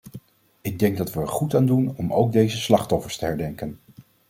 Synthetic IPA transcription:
ɪɡ̚dɛŋɡ̚dɑtʋəːɹχutaːndunɔmʔowɡ̚dejzəslɑχtɔfəɹstəɦɛɹdɛŋkən

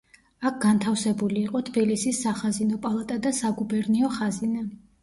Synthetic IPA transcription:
ak̚ʰɡ̥ant̪ʰafsɛbuliːqʼɔt̪ʰbilisisːaχazinɔpʼalˠat̪ʼad̪asaɡubɛɾniɔχazina

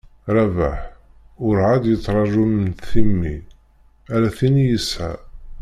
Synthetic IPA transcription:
ɾˤæva̰ħʊɾʕad̪jət͡s̪ˤːɾˤɑʒumənt̪θimːḭ | æɾæθinijəsʕa̰

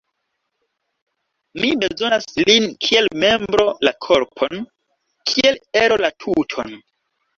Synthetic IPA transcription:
mibe̞zo̞naslinkʰie̞lme̞mbɾo̞lakʰo̞ɾpʰo̞n | kʰie̞leɾo̞latʰutʰo̰n

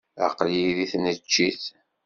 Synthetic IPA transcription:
a̰qljiðiθnət͡ʃːiθ

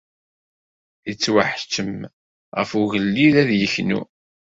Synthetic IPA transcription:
it͡sːwaħt͡ʃːəm | ʁəfuɣəlːiðæðjəçnṵ

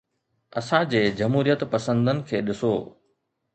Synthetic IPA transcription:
ɐsãd͡ʑeːd͡ʑɐmɦuːɾijət̪pɐsə̃nd̪ənɪ̆kʰeːɗɪsoː

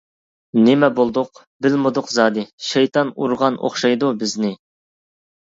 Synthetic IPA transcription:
nɪmɛbolˠd̪ʊq | bɪlmɨd̪ʊqzɑːd̪ɨʃejt̪ʰɑnṵɾʁɑno̰χʃɑjd̪ubɪznɪ

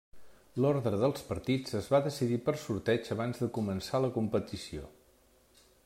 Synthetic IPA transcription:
lɔɾðɾəðəlˠspəɾt̪id͡zəzβaðəsiðipərsuɾt̪ɛd͡ʒəβanzðəkumənsaləkumpət̪isio̰

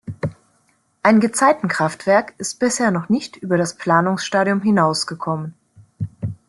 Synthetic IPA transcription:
ʔaɪnɡət͡saɪtn̩kʁ̥aftv̥ɛɐkɪst̚b̥ɪsheːɐnɔχnɪçtʔyːbɐɾaspl̥aːnʊŋsʃtaːɾiʊmɦɪnaʊsɡ̥əkʰɔmən

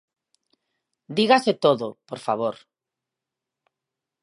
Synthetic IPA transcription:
d̪iɣaset̪oðopoɾfaβ̞oɾ

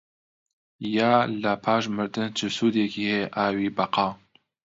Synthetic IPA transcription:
jaːlapʰaːʃ̬mɨɾd̪ɨnt͡ʃʰɨsuːd̪ekiːheʔaːwiːbɐqɑː

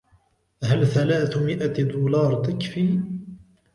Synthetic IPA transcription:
ɦəlθælaːθʊmɪʔad̪uːlɑɾˤd̪əkːfi

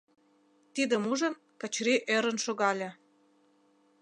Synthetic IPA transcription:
t̪id̪ə̆muʒə̆n | kə̆t͡ɕɾiʔeɾə̆nʃoɣɑlʲĕ

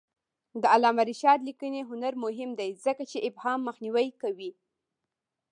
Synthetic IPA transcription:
d̪əalɑmaɾiʃɑd̪likəneɦʊnaɾmʊɦɪmd̪ajzəkat͡ʃeʔɪbhɑmːəxniwajkawi

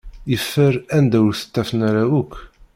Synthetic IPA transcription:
jəfːəɾænd̪æwəɾθə̥t̪ːæfənaɾæwukː

